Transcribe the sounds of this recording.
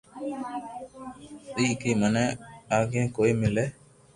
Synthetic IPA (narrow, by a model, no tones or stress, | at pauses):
iːkiːmənẽːaːɡẽːkoːiːmɪleː